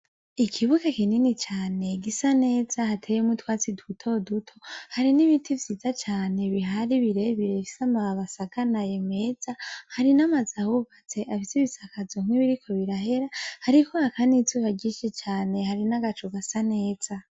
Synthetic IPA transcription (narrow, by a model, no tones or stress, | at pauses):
ikʰiβukakininit͡ʃaːne̞ɡisane̞ːz̥ahatʰejemutwaːt͡sidutʰo̞dutʰo̞haɾiniβitʰivjiːzat͡ʃaːne̞βiɦaɾiβiɾeβiɾefi̥samaβasakanaje̞me̞z̥ahaɾinamazahuβat͡se̞ʔafiseβisakazoŋ̥wiβiɾikʰo̞βiɾaɦe̞ɾahaɾikʰoakʰanizuβaɟiʃet͡ʃaːne̞haɾinaɡat͡ʃuɡasane̞ːz̥a